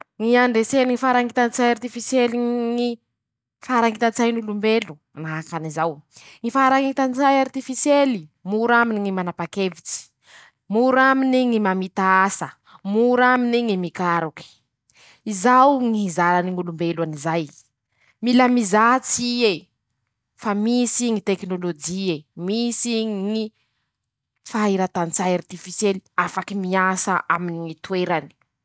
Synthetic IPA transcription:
ŋiaɳɖ͡ʐeseniŋifaɾaŋit̪ant͡sajart̪ifisjeliŋi | faɾaŋit̪ant͡sajnulumbelu̥ | naakanizawŋifaɾaŋit̪ant͡sajart̪ifisjelimuɾaminiŋimanapakevit͡si̥ | muɾaminiŋimamit̪aasə | muɾaminiŋimikaɾuki̥ | izawŋiɦizaɾaniŋulumbeluanizaj | milamizat͡sie | famisiŋit̪eknolod͡ʒiemisiŋŋi | faiɾat̪ant͡sajart̪ifisjeliafakimiasaʔaminiŋit̪ueɾani̥

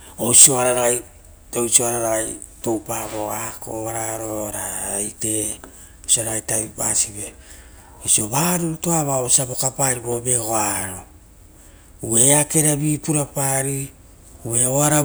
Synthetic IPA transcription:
osio̞aɾaɾaaj | tojsio̞aɾaɾaaj | to̞wpaβo̞ako̞̰βaɾaɾo̞ɾajte̞ | osioaɾaɣajtaβipa̰sibe | osio̞βaːɾuɾutoaβaosiabo̞kapaɾibo̞be̞ɡoaɾo̞ | ue̞ake̞ɾabiːpuɾapaːɾi | ue̞oaɾa

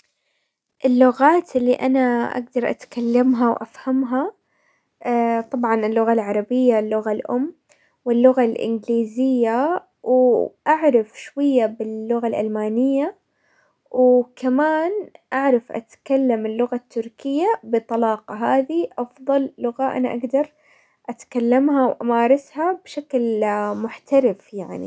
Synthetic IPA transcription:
ʔɪlːʊɣaːt̪ʔɪlːiʔanaʔa̰ɡ̚d̪ɑɾˤʔa̰t̪kalːamɦawʔa̰fhamɦa | t̪ˤɑbʕɑnɪlːʊɣalʕɑɾˤɑbɪjːalːʊɣalʔʊ̰mː | wɪlːʊɣalʔɪ̰nɡliːzɪjːa | wʔaʕɾˤɑfʃwajːabɪlːʊɣalʔalmaːnɪjːa | wkamaːnʔaʕɾˤɑfʔa̰t̪kalːamɪlːʊɣat̪ːʊɾkɪjːabɪt̪ˤːɑlɑːqɑɦaːðiʔɑfðˤɑlːʊɣaʔa̰na̰ʔaɡd̪ɑɾˤ | ʔat̪kalːamɦawʔamaːɾˤɑshabʃaklmʊħt̪aɾɪfjaʕnḭ

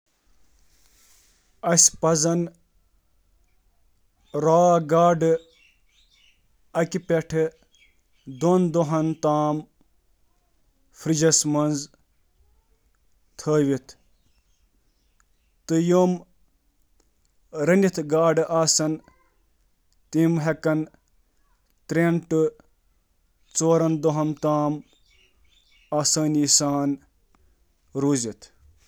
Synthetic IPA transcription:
ɐsʲpɐzɐn | ɾaːɡaːɖɨ | ɐkipʲeʈʰɨ | d̪ond̪oɦɐnt̪aːm | fɾid͡ʒɐsmɐnz | t̪ʰəːʋit̪ʰ | t̪ɨjom | ɾɐnʲit̪ʰɡaːɖɨʔaːsɐn | t̪imɦekɐn | t̪ɾeɳʈɨ | t͡soːɾɐnd̪oɦɐmt̪aːm | aːsɐːnʲisaːn | ɾuːzit̪ʰ

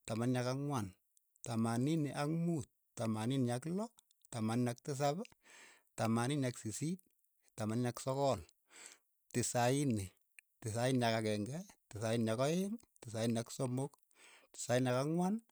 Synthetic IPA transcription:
tamanɲakaŋwan | tamaniniʔakmut̚tamaninjaklɔ | tamanɲak̚tɪs̬aba | tamaninaksisit̚ | tamanɲaksɔkɔl | tɪsaini | tɪs̬ainjakakɛŋɡɛtɪsainakɔen | tɪsainaksomok | tɪ̥sainakaŋwan

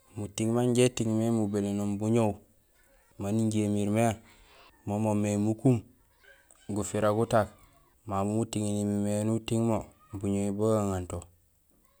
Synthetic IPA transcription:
mutiŋmaɲɟetiŋmemubelenombuɲow | maniɲɟemiɾmea | momomemukum | ɡufiɾaɡutak | mamumutiŋinimimenutiŋmo | buɲoiboɡaŋanto

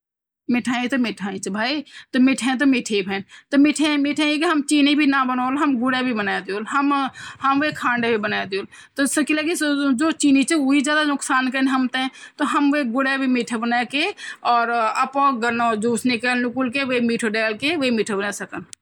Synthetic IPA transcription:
mɪʈʰaːĩt̪omɪʈʰaːĩt͡ʃbʱaːit̪omɪʈʰẽt̪̬omɪʈʰebʱɛːnt̪omɪʈʰemɪʈʰẽkeɦɐmt͡ʃiːnibʱinabənoːlɦɐmɡʊɽebʱibənaːjed̪ioːlɦəmhɐmʋekʰãːɳɖebʱibənaːjd̪joːl | t̪osəkilekid͡ʒoːt͡ʃiːnit͡ʃʊid͡ʒjaːd̪anʊksaːnkənɦɐmt̪eɛ̃t̪oɦəmʋeɡʊɽebʱimɪʈʰebənaekeɔːɾəpoɡənod͡ʒuːsnɪkəlnʊkulkeʋemɪːʈʰoɖɛːlkeʋemɪʈʰebənasəkən

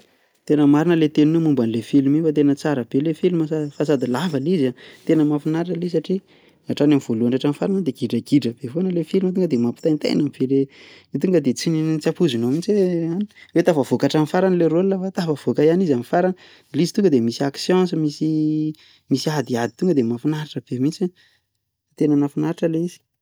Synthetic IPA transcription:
t̪enəmaɾinəlet̪eninumumbanlefilimifat̪̬enət͡saɾəb̥elefilimaafasad̪ilavəlizat̪enəmafinaɾʈ͡ʂəles̬aʈ͡ʂi | aʈ͡ʂanamiv̥oluaɳɖ͡ʐaʈ͡ʂamfaɾanəd̪eɡ̥iɖ͡ʐəɡiɖ͡ʐəb̥efonəlefilimat̪̬uŋɡəd̪emapi̥t̪ant̪a̰j̰namiv̥ele | it̪uŋɡəd̪et͡sinit͡sapuzinomint͡seanwet̪afəvokaʈ͡ʂamifaɾanleɾolnəfat̪afəv̥okajanizamifaɾanə | lizi̥t̪uŋɡəd̪emisiaksjɑ̃nsəmisi | misiad̪iad̪it̪uŋɡəd̪emafinaɾaʈ͡ʂəb̥emint͡sa | t̪enənafinaɾaʈ͡ʂəleiz̥i̥

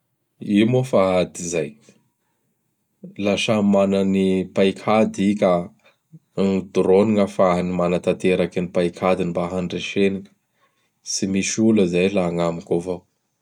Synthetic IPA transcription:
imofaɦad̪izaj | laʃamananipajkʰad̪ikʲa | nid̪uɾoniŋəfaɦnimanat̪at̪eɾakinipajkʰad̪inimbaɦanɖ͡ʐeʃeniŋə̥ | simiʃuləzajlaːŋamikovow

